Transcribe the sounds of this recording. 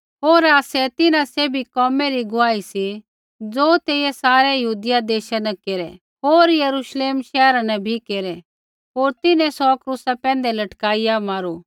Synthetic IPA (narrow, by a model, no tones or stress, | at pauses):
ɦoːɾaːsɛt̪ɪnãseːbʱikɔːmɛɾiɡʊaːisi | d͡zoːt̪eːesaːɾɛjɐɦuːd̪ɪjad̪eːʃanɛkeːɾɛ | ɦoːɾjɐɾuːʃleːmʃɛːɾãnɛbʱikeːɾɛ | ɦoːɾt̪ɪnɛ̃sɔkɾuːsapɛ̃ːn̆d̪ɛlɐʈkaːijamaːɾuː